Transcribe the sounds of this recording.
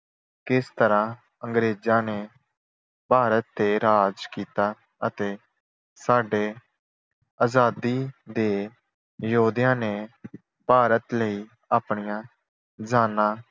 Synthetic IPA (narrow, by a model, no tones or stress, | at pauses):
kɪst̪əɾãː | ə̃ŋɡɾeːd͡ʒãːneː | paːɾət̪ːeːɾaːd͡ʒkiːt̪aː | ət̪eː | saːɖeː | aːzaːd̪iːd̪eː | jəɦuːd̪ijãːneː | paːɾət̪ləiː | aːpɳijãː | d͡ʒaːnãː